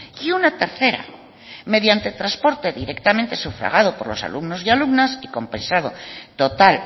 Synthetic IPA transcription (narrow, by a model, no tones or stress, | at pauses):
iunat̪eɾθe̞ɾa̰ | me̞ðjant̪et̪ɾaspo̞ɾt̪e̞ðiɾekt̪ament̪e̞sufɾa̰ɣ̞að̞opoɾlo̞̰sa̰lumnosialubnasikompẽ̞nsaðo̰t̪o̞t̪al